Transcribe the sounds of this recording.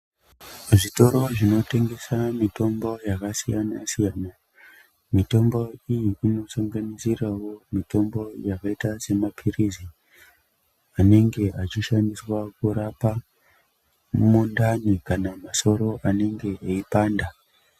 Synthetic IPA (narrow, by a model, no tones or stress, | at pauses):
ʐito̞ɾo̞ʐino̞te̞ŋɡe̞samito̞mbo̞jakasijanasijaːna | mito̞mbo̞ijiino̞saŋɡanisirawo̞mito̞mbo̞jakaitase̞mapʰirizi | ane̞ŋɡe̞at͡ʃiʃandiswakuɾapa | mundanikanamaso̞ɾo̞ʔane̞ŋɡe̞aipaːnda